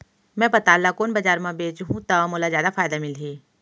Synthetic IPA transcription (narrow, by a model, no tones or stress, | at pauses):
mɛ̃ːpɐt̪aːlːakoːnbɐd͡ʒaːɾmãbeːt͡ʃɦũt̪ɐmoːlazjaːd̪afʰaːjd̪amɪlɦiː